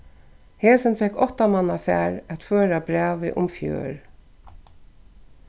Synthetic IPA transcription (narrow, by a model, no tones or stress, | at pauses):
heːsənfɛkɔt̪amanafæ̰ːɹæt̪føːɾabɾæːʋɪ̰ʔʊ̰mfjø̰ːɹ